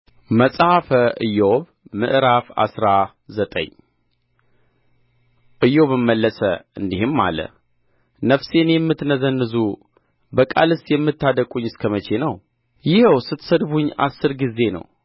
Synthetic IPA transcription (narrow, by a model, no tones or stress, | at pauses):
məsʼhafəʔɨjoβ | mɨ̰ʔɾafa̰sɾa | zət̪ʼə̰ɲː | ʔɨjo̞βɨmːəlːəsəɨnd̪ihɨmːa̰lə̰ | nəfse̞njɛmːɨt̪nəzənːɨzu | bəkʼa̰lɨst̪jɛmːɨt̪ːad̪əkʼuɲːɪskʰəmət͡ʃʰe̞nəw | jɪhɛwsɨt̪səd̪buɲːa̰sːɨɾɡize̞nə̰w